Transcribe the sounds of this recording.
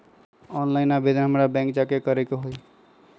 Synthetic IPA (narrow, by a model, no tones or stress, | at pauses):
ɔnlaɪnabed̪ɦəmɾabɛ̃ŋkd͡ʒakekəɾekeɦoj